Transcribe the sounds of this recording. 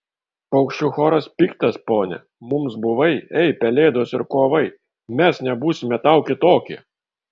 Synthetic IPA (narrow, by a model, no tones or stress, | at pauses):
ɐʊkʃʲt͡ʃʲʊxoːɾɐspʲiːkt̪ɐspoːnʲɛ̰ | mʊmsbʊʋɐɪɛɪpʲɛlʲeːd̪oːsɪɾkoːʋɐɪ | mʲɛsnʲɛbuːsʲɪmʲɛt̪ɐʊkʲɪt̪oːkʲɪ̰